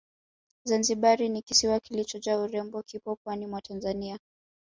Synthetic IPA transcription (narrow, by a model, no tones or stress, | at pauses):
zanziɓaɾinikisiwakilit͡ʃɔt͡ʃauɾɛmbɔkʰipɔpwanimwatʰanzania